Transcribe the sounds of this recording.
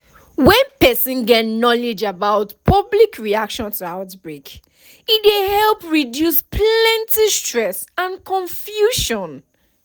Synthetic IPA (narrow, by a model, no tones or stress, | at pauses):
wɛ̃npɛsĩnɡɛtnɔlɪd͡ʒabaʊtpʰʌblikʰɹiakʃɔ̃ntuaʊtbɹek | idehɛlpɹidjuspʰlɛ̃ntʰistɹɛsãnkʰɔ̃ɱfjuʃɔ̃n